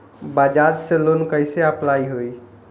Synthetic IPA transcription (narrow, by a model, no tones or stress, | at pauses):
bad͡ʒaɾselonkəɪseəplaiɦoi